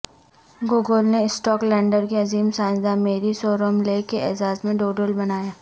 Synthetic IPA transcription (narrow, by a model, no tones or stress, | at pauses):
ɡʊːɡəlneɪsʈɔːklɛ̃ːɳɖəɾkeɐziːmsãːnd̪ameːɾisoːɾəmlekeʔɛːzaːzmẽɖoːɖəlbɐnaːjaː